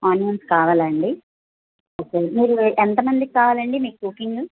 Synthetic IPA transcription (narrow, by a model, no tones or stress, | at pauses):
aːnmɐnskaːʋaːlɐːɐɳɖi | oːkːemiːɾuʔent̪ɐmɐnd̪ikːaːʋaːlɐɳɖimiːkkukːiŋɡɨ